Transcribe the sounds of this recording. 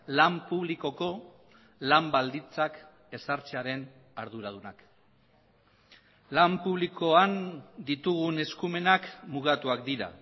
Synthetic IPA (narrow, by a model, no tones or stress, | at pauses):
lampuβliko̞ko̞ | lambald̪int͡sak | e̞saɾt͡siaɾe̞n | aɾðuɾaðunak | lampuβliko̞and̪it̪uɣune̞skume̞nakmuɣat̪uakd̪iɾa̰